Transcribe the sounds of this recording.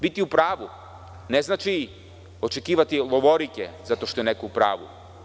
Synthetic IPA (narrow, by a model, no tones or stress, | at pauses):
bit̪iupɾaːʋu | neznat͡ʃi | o̞t͡ʃe̞kiːʋat̪ilˠoʋoɾikezat̪oʃt̪ojenekoupɾa̰ːʋṵ